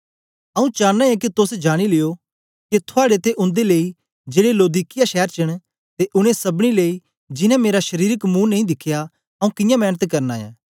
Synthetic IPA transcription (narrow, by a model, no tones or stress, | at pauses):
ɐũt͡ʃãːãẽk̬it̪ʊsd͡ʒaːɽ̃ilɪjo | ket̪ʰʊaːɽet̪eʔʊ̃nd̪eleːi | d͡ʒeːɽeloːd̪iːkɪjaʃɛːɾt͡ʃɐɽ̃ | t̪eʔʊɽ̃ẽsɐbɽ̃ileːi | d͡ʒɪnãmeːɾaʃɐɾiːɾəkmũːnɐĩd̪ɪkʰːɪja | ɐũkɪjãmɛːnət̪kɐɾnaːjã̰ː